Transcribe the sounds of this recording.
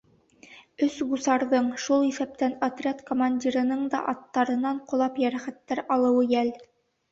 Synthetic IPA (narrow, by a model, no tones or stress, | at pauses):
ɵsbusɑɾðɤɴʃulˠisæp̚t̪ænɐt̪rʲat̪komanʲdʲiɾɤ̆nɤɴd̪ɑ̰ʔɑt̪ːɑɾɤ̆nɑɴqŏlˠɑpjæɾæχæt̪ːæɾɑlˠɤ̆wɤjæl